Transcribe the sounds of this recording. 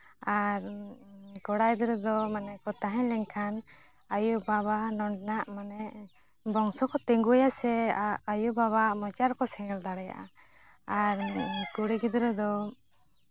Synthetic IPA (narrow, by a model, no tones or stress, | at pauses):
aɾ | kɔɽajd̪ɾɛd̪ɔmanɛkɔt̪aɦɛ̃ɲlɛɲkʰan | ajubaβanɔɳɖnaʔmanɛʔ | bɔŋsɔkɔt̪ɛŋɡujasɛajubaβamɔt͡ʃaɾkɔsɛŋɛld̪aɽɛja̰ʔa | aɾkuɽiɡid̪ɾɛd̪ɔ